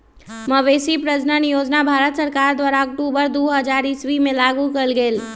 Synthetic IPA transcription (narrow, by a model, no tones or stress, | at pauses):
məʋeːsipɾəd͡ʒnənijoːd͡ʒnabʱaːɾət̪səɾkaɾd̪waːɾaək̚ʈubəɾd̪oɦəd͡ʒaɾɪsʋimẽlaɡukəlɡeːl